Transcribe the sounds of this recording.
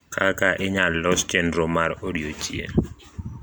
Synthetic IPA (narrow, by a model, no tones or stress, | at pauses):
kʰakaʔɪɲalːɔst͡ʃɛndɾɔmaɾodiot͡ʃjḛ